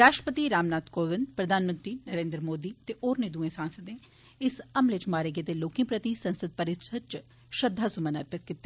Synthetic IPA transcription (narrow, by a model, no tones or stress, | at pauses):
ɾaːʃʈɾəpət̪iɾaːmnaːt̪koːʋɪnd̪pɾɐd̪ʱaːnmə̃nt̪ɾiːnɐɾẽːnd̪ɾmoːd̪iːt̪eʔoːɾned̪uẽsãːnsəd̪ẽ | ɪsɐmlet͡ʃmaːɾeɡet̪eloːkĩpɾɐt̪isɐ̃nsəd̪̚pɐɾɪt̪ʃʰət̚t͡ʃ | ʃɐd̪ʱːaːsʊmənɐɾpət̪̚kɪt̪ːe